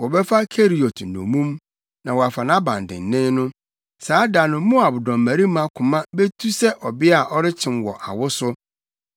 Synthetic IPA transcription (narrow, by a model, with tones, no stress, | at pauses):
wɔ˨bɛ˦fa˦kʰe˦ɾi˨o˨t̩˨nõ̰˨mũ˦m | nã˨wɔ˨a˨fa˨nã˦bã̰˨ndɪ̰̃˨n̩˨nɪ̃˦nʊ̃˦ | saː˨˦da˨nʊ̃˨mũ˦a˨bʊ˨dɔ̃˨mːæ˨ɾi˦mã˦kʰʊ̃˨mã˦be˦tʰu˦sɛ˦ʔɔ˨bɪ˦a˨ʔɔ˦ɾɪ˦t͡ɕʰɪ̃˨mwɔ̰˨ʔa̰˨wʊ˦sʊ˦